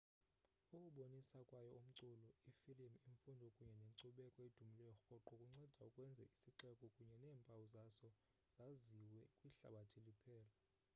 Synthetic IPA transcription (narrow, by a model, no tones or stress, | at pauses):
ukʼuɓonisakʼwajɔum̩ǀulɔifilimiɱfundʱɔkʼuɲɛneǀuɓɛkʼɔed̥ʱumilɛjɔxɔǃɔkʼuŋ͡ǀɛd̥ʱaukʼwɛnd͡zʱɛ̰isiǀɛkʼɔkʼuɲɛnɛːmpʼawuzasɔ | z̥aziwɛkʼwiɬa̰ɓatʼʰilipʰɛːla